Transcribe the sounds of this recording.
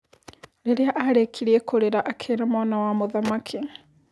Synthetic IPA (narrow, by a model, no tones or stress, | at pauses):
ɾeɾeaʔaɾekʰiɾiekʰoɾeɾaʔakʰeːɾamwanawamoðamakʰi